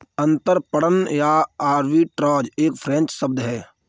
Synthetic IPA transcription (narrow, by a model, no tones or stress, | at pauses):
ə̃nt̪əɾpəɽənjaaːɾʋiʈɾɔːd͡ʒeːkpʰɾɛ̃ːnt͡ʃsəb̚d̪ɦɛː